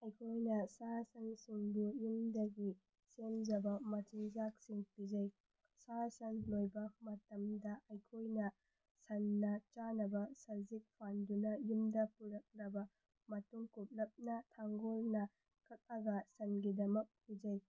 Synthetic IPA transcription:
ɐjkʰojnɐsasɐŋsuŋdujumdɐɡi | semd͡ʒɐbɐmɐt͡ʃiŋzak̚siŋpid͡ʒɐj | sasɐŋlojbɐmɐtɐmdɐʔɐjkʰojnɐ | sɐnːɐt͡ʃanɐbɐsɐzik̚pʰandunɐjumdɐpuɾɐk̚ɾɐbɐ | mɐtuŋkup̚lɐp̚nɐtʰaŋɡolnɐ | kʰɐk̚ɐɡɐsɐnɡidɐmɐk̚pid͡ʒɐj

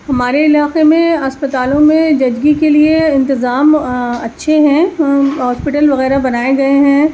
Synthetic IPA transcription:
ɦɐmaːɾeɪlaːqemẽɐspət̪aːlõmẽd͡ʒɐd͡ʒɡikelieɪ̃nt̪ɪzaːmɐtːʃʰeɦɛ̃ɦɔːspɪʈəlʋɐɣɛːɾabɐnaːeɡɐeɦɛ̃

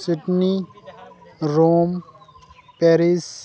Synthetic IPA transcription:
sɪʈni | ɾoːm | pɛɾis

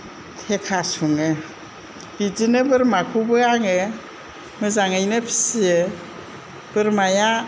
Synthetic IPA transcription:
tʰekʰasuŋɯ | bid͡ʒinɯbɯɾmakʰubɯaŋɯ | mɯzaŋajnɯpʰi̥sie | b̥ɯɾmaja

